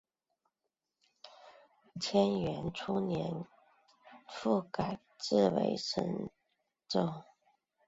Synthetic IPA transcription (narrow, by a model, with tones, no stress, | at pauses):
t͡ɕʰjɛ˥nɥɛ˧˥nʈ͡ʂʰu˥njɛ˧˦n | fu˥˩ka˨˩ɪ | ʈ͡ʂɻ̩˥˩˨wḛ˧˥ɪʂə̰˧˥ŋ | ʈ͡ʂo˥˩ʊ